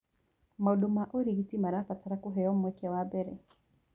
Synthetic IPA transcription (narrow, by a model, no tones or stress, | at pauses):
mauɗumaʔɔɾiɣitimaɾafataɾakuɦɛjɔmwɛkɛwabɛɾɛ